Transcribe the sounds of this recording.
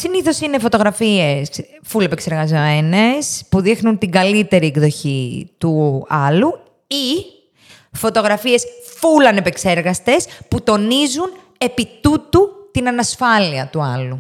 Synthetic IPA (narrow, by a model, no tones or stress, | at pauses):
siniθo̞sine̞fo̞t̪o̞ɣɾɐfie̞sfule̞pekse̞ɾɣɐzomene̞spuðixnunt̪iɡɐlit̪e̞ɾieɡðo̞çit̪uɐlu | i | fo̞t̪o̞ɣɾɐfie̞sfulɐne̞pekse̞ɾɣɐst̪e̞sput̪o̞nizun | e̞pit̪ut̪ut̪inɐnɐsfɐliɐt̪uɐlu